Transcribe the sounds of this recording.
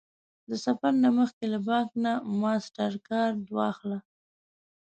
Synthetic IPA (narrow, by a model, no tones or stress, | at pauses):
d̪əsafaɾnaməxkelabɑknamɑsʈaɾkɑɾd̪wɑ̰xla